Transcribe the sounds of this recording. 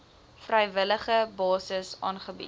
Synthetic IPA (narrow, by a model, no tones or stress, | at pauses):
frɛjvələχəbɑːsəsɑːnχəbḭt